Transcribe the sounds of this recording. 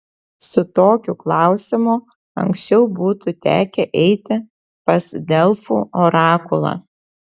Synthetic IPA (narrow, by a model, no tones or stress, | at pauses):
sʊt̪oːkʲuklˠɑˑʊsʲɪmʊ | ɐ̰ŋʲksʲt͡ʃʲɛʊbuːt̪ut̪ʲæ̰ːkʲɛʔɛɪt̪ʲɪ | pɐsd̪ʲɛlˠfṵːoːɾɑːkʊlˠɑ̰ː